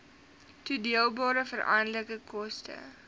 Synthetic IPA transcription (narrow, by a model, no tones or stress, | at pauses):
tudiəlˠbɑːɾəfəɾʔɐ̰ndləkəkʰɔstʰə̰